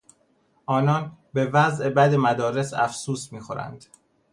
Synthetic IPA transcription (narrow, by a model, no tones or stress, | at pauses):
ʔɒːnɒːnbe̞væzʔebæd̪e̞mæd̪ɒːɾe̞sæ̰fsuːsmiːxo̞ɾæ̰nd̪̥